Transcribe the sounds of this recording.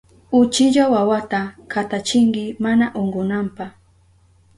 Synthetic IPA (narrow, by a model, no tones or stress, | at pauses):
ʊt͡ʃɪʎawawat̪akat̪at͡ʃɪŋɡɪmanaʔoɴɢʊnampa